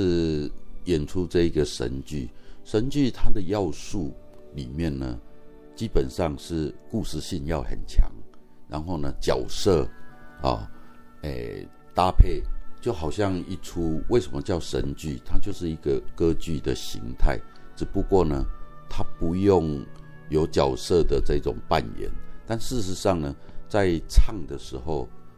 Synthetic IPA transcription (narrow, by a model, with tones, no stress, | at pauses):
ʂɻ̩˥˧jɛ˨˩nʈ͡ʂʰu˦ʈ͡ʂɤ˥˧i˧˦ɡə˨ʂə̰˧˦nt͡ɕy˥˩ʂə˧˦nt͡ɕy˥˧t̪ʰa˦d̪ə˨jɑ˥˧ʊsu˥˩lḭ˨˩mjɛ˥˨nːə̰˩ | t͡ɕi˦˥pə˨˩nʂɑ˥˧ŋʂɻ̩˥˩ku˥˧ʂɻ̩˥˧ɕi˥˧njɑ˥˩ʊhə̰˨˩nt͡ɕʰja̰˧˦ŋɻa̰˧˦nxo˥˩ʊnə˩t͡ɕja˨˩ʊsɤ˥˩ɔ̰˨˩ḛ˨˩ | t̪a˦pʰe˥˩ɪt͡ɕjo˥˩xɑ˨˩ʊɕjɑ˥˧ŋi˥˩ʈ͡ʂʰu˦we˥˩ɪʂə˧˦mə˨˧t͡ɕjɑ˥˩ʊʂə̰˧˦nt͡ɕy˥˨t̪ʰa˦t͡ɕjo˥˧ʊʂɻ̩˥˩i˧˥ɡə˨kɤ˦t͡ɕy˥˩d̪ə˨ɕḭ˧˦ŋt̪ʰa̰˥˩ɪʈ͡ʂɻ̩˨˩pu˨˦kwɔ˥˩nə˩t̪ʰa˦pu˧˦jo˥˨ŋ | jo˧˥ʊt͡ɕjɑ˨˩ʊsɤ˥˧d̪ə˩t͡sə˥˧i˥˩ʈ͡ʂʊ̰˨˩ŋpa˥˨nɥɛ̰˨˦nt̪a˥˨nʂɻ̩˥˩ʂ̩˧˥ʂɑ˥˩ŋnə˩t͡sa˥˧ɪt͡sʰɑ˥˩ŋd̪ə˨ʂɻ̩˧˥˦xo˥˧ʊ